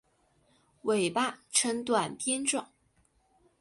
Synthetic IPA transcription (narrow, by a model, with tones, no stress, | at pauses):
we˨˩ɪpa˥˩ʈ͡ʂʰə˧˥ŋt̪wa˨˩nt̪jɛ˥nʈ͡ʂʊ˨˩˦ŋ